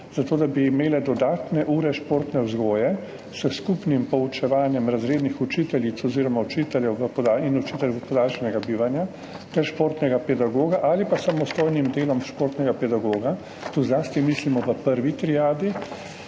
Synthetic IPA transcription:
z̥at̪oːd̪abiːmeːlɛd̪ɔd̪aːt̪nɛʔuːɾɛʃpoːɾt̪nɛwzɡoːjɛ | səskupnimpɔut͡ʃɛʋaːnjɛmɾazɾeːd̪nixut͡ʃiːt̪ɛlit̪sɔziːɾɔmaut͡ʃit̪ɛljɛwʋəpɔd̪ainɔt͡ʃiːt̪ɛljɛɡəpɔd̪aːlʃɛnɛɡabiːʋanja | t̪ɛɾʃpoːɾt̪nɛɡapɛd̪aɡoːɡaʔalipasamɔst̪oːjnimd̪eːlɔmʃpoːɾt̪nɛɡapɛd̪aɡoːɡa | t̪uzlaːst̪imislimɔʋəpəɾʋit̪ɾijaːd̪i

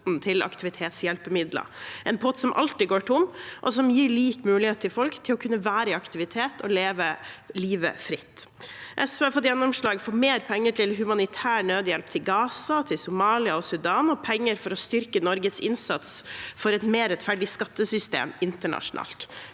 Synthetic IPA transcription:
nt̪ʰɪlɑ̰kt̪ɪʋɪt̪ʰeːt̪sjɛlpəmɪd̪lə̰ʔɛnpʰɔt̪sɔmʔɑ̰lt̪ɪɡoːʈʰʊmʔɔ̰sɔmjiːɾɭiːkmʉːlɪheːt̪t̪ʰːɪlfɔlkt̪ʰɪlɔkʰʉnːəʋæːɾəɪɑkt̪ɪʋɪt̪ʰeːt̪ʰɔleːʋəliːʋə̰fɾɪt̪ːʔɛsʋəɑɾfɔt̪jɛnːʊmʂɭɑːɡfɔːmeːɾpʰɛŋːəʈʰɪlɦʉmɑnɪt̪ʰæːɳøːd̪jɛlpt̪ʰɪlɡɑːsɑt̪ʰɪlsʊmɑːlɪɑɔsʉd̪ɑːnɔpʰɛŋːəɾfɔɾɔst̪ʏɾkənɔɾɡəsɪnsɑt̪sfɔɾɛt̪meːɾɛt̪fæɖɪskɑt̪ːəsʏst̪ḛːmɪnt̪əɳɑ̰ʂʊnɑ̰ːlt̪

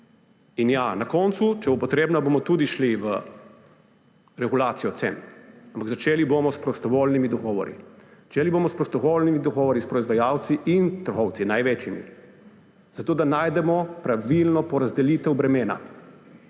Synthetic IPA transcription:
injanakɔːnt̪sut͡ʃɛbopɔt̪ɾeːbnabomɔt̪uːd̪iʃliʋə | ɾɛɡulaːt̪sijɔt̪sḛnampaɡzat͡ʃeːlibomɔspɾɔst̪ɔʋolnimid̪ɔɡɔːʋɔ̰ɾḭzat͡ʃeːlibomɔspɾɔst̪ɔɣolnimid̪ɔɡɔːʋɔɾispɾɔizʋajawt̪siʔint̪əɾɣɔwt̪sinajʋet͡ʃjimḭ | z̥at̪oːd̪anaːjd̪ɛmɔpɾaʋilnɔpɔɾazd̪ɛliːt̪ɛwbɾɛmeːna̰

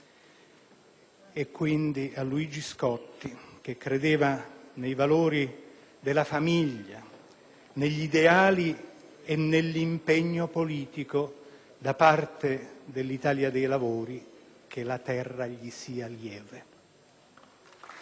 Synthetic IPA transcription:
ɛkːwind̪ialːuid͡ʒiskɔt̪ːik̟ekːɾed̪eːvanejvaloːɾi | d̪elafamiʎːa | neʎːid̪eaːli | enːelːimpeɲːopoliːt̪iko | d̪apart̪ed̪elːit̪aːljad̪ejlavoːɾi | k̟elat̪ɛrːaʎisiːaljɛːve

